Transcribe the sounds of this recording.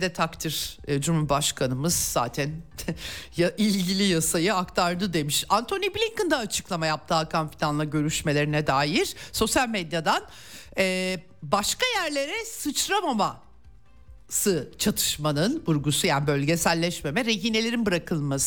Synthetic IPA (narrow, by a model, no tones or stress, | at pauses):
d̪ɛt̪ʰakt̪ʰiɾ̥d͡ʒumhubaʃkʰanɯmɯz̥za̰ːt̪ʰæn | jaʔilʲɟilʲijasajɯakt̪ʰaɾd̪ɯd̪e̞miʃant̪ʰo̞niblʲiŋkɯnd̪aːt͡ʃʰɯ̥klˠamajap̚t̪ʰaːkʰanfilʲanlˠaɟø̞ɾyʃme̞lʲe̞ɾinɛd̪aːjiɾ̥so̞sjalʲmed̪jad̪an | ɛː | baʃkajæɾlʲe̞ɾɛsɯt͡ʃɾamama | sɯt͡ʃʰat̪ʰɯ̥ʃmanɯnbuɾɡusujaːnibø̞lʲɟesælʲːɛʃme̞mɛɾe̞ɦiːne̞lʲe̞ɾinbɯɾakʰɯlˠmasɯ̥